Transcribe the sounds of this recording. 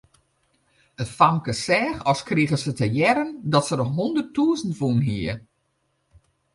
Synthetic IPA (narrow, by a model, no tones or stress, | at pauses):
ətfaŋkəsɛːxɔskriəɣəsətəjɛɾəndɔtsədɔɦundərtʰːuəzəntfunɦiə